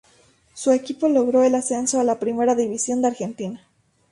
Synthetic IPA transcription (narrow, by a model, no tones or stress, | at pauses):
sue̞kipo̞lo̞ɣɾo̞e̞lase̞nso̞alapɾime̞ɾaðiβisjo̞nd̪eaɾxe̞nt̪ina